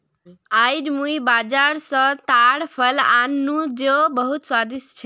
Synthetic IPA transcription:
ajɖmuibad͡ʒaɾsə̃t̪aɽpʰəlanːud͡ʒebəɦut̪swad̪ist͡ʃʰi

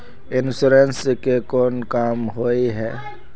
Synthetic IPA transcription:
ɪnsuɾenskekoːnkaːmɦoiɦɛː

